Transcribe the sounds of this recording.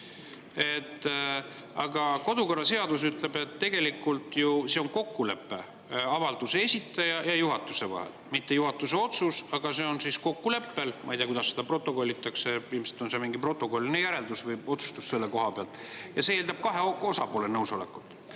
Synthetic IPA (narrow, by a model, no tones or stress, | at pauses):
e̞t̪ː | ɑɡ̥ɑko̞d̪uko̞rːɑse̞ɑd̪̥usyt̪ˑle̞be̞t̪ːe̞ɡ̥e̞likːult̪juseo̞nko̞kːule̞pːe̞ | ɑvɑld̪̥useesʲit̪ːˑɑjɑjɑjuɦɑt̪ːˑuse̞vɑ̰hḛlmit̪ːe̞juɦɑt̪ːˑuse̞o̞t̪susɑɡ̥ɑse̞o̞nsisko̞kːule̞pːe̞lmʔɑ̰ijt̪eɑkud̪ɑsːed̪̥ɑpro̞t̪ːˑo̞ko̞lʲːit̪ːˑɑkse̞iːmselt̪ːˑo̞nse̞miŋɡ̥ipro̞t̪ːˑo̞ko̞lʲːinejæɾe̞ld̪usvɤjo̞t̪su̥st̪usse̞lːeko̞ɦɑpeɑlt̪ˑ | jɑseeːld̪ɑb̥̚kɑɦe̞oo̞sɑpo̞ːle̞nɤwso̞le̞̰kːut̪ːˑ